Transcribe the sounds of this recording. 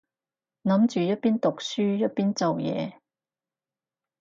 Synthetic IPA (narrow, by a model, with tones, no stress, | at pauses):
nɐ˨˧˥mt͡ʃyː˨˩jɐ˥t̚piː˥nt̪ʊ˨k̚syː˥jɐ˥t̚piː˥nt͡sɐ˨wjɛ̰ː˨˧